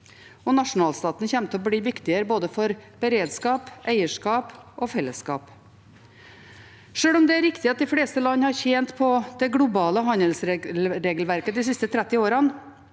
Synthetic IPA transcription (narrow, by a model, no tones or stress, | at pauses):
ɔnɑʂʊnɑːlst̪ɑːt̪nçɛmt̪ʰəɔbliːʋɪkt̪ɪəɾəboːd̪əfɔɾb̥əɾeːd̪skɑːpʔæɪəʂkɑːpɔfɛlːəskɑ̰ːp | ʂøːɭʊmd̪ɛæɾɪkt̪ɪɑt̪̚d̪ɪfleːst̪əlɑnːəhɑɾçeːnt̪pʰɔd̪̥ɛɡlʊbɑːləɦɑnəlsɾlɾeːɡəlʋæɾkəd̪ɪs̬ɪst̪ət̪ʰɾæt̪ːɪoːɾɑn